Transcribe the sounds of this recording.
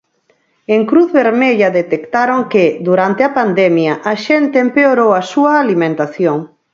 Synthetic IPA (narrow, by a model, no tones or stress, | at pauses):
eŋkɾuθβeɾmeʎɐðet̪ekt̪aɾoŋked̪uɾant̪eapand̪ɛmjɐʔaʃent̪eːmpeoɾowɐsuɐːlimẽnt̪aθjoŋ